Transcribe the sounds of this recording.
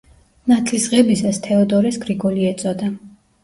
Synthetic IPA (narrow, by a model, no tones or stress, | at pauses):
nat̪ʰlisʁɛbisast̪ʰɛɔd̪ɔɾɛsɡɾiɡɔliɛt̪sʼɔd̪a